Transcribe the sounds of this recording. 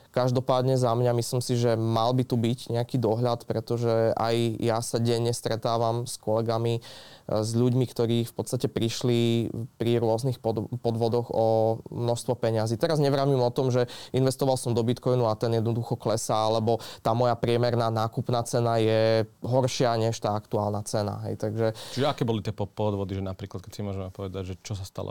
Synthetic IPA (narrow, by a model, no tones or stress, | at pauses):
kaʒd̪ɔpaːd̪ɲɛzamɲamislimsiʒɛmalbit̪ubiɟɲɛakiːd̪ɔɦʎat̪pɾɛt̪ɔʒɛa̰jjasaɟɛɲɛst̪ɾɛt̪aːʋamskɔlɛɡami | zʎuɟmikt̪ɔɾiːfpɔt̪st̪acɛpɾiʃlipɾiɾʊɔznixpɔpɔd̪ʋɔd̪ɔɣɔmnɔʃst̪ʋɔpɛɲaziːt̪ɛɾazɲɛʋɾaʋimɔt̪ɔmʒɛinʋɛst̪ɔʋalsɔmd̪ɔbit̪kɔjnuat̪ɛnjɛd̪nɔd̪uxɔklɛsaalɛbɔt̪aːmɔjapɾɪɛmɛɾnaːnaːkupnaːt͡sɛnajɛɦɔɾʃɪaɲɛʃt̪aːakt̪uaːlnat͡sɛna̰ɦɛ̰jt̪aɡʒɛt͡ʃiʒɛakɛːbɔlit̪ɪɛpɔpɔd̪ʋɔd̪iʒɛnapɾiːklat̪̚kɛcsimʊɔʒɛmɛpɔʋɛd̪aɟʒɛt͡ʃɔs̬ast̪a̰lɔ̰